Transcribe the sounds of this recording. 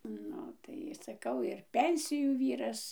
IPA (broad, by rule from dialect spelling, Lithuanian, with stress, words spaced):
ˈnʊ tɐɪ sɐˈkɐʊ ɪr ˈpʲɛnʲsʲɪjuː ˈʋʲiːrɐs